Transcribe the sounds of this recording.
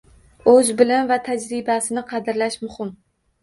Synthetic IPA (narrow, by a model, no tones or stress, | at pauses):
ɵzbɪlɪmvat̪ʰad͡ʒɾɪbasɪnɪqʰɑd̪ɪɾlaʃmʊhɪm